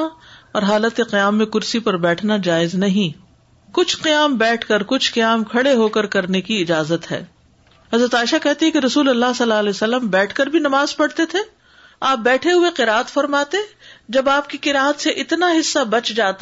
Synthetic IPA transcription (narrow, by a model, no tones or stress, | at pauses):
ɔːɾɦaːlət̪eqɪjaːmːẽkʊɾsipɐɾbɛːʈʰnad͡ʒaːɪznɐɦĩː | kʊt͡ʃʰqijaːmbɛːʈʰkɐɾkʊt͡ʃʰqɐjaːmkʰɐɽeɦoːkɐɾkɐɾnekiɪd͡ʒaːzət̪ɦɛ̰ː | ɦɐzɾət̪aːɪʃakɛɦt̪eɦɛ̃keɾɐsuːlɐlːaɦsɐlːalɛosɐlːəmbɛːʈʰkɐɾbʱinɐmaːzpɐɽt̪et̪ʰe | aːp̚bɛːʈʰeɦʊeqɪɾaːət̪fɐɾmaːt̪ed͡ʒɐbaːp̚kiqɪɾaːɦət̪seʔɪt̪naɦɪsːabɐt͡ʃd͡ʒaːt̪